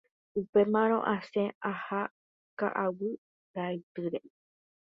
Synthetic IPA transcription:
upemãɾ̃õ̞̰ʔãsẽaha | ka̰ʔawɨ | ɾaɨt̪ɨɾe

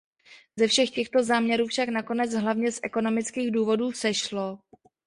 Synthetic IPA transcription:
zɛfʃɛxcɛxt̪o̞zaːmɲɛɾuːfʃaknako̞nɛd͡zɦlavɲɛsʔɛko̞no̞mɪt͡skiːɣduːvo̞duːsɛʃlo̞

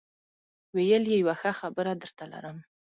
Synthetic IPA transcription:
wejəljejawaxaxabəɾad̪əɾt̪ala̰ɾəm

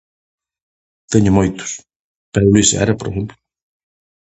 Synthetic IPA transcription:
t̪eɲʊmojt̪ʊ̥s | pɛulisɛ̰ɾɐpoɾḛxemplʊ

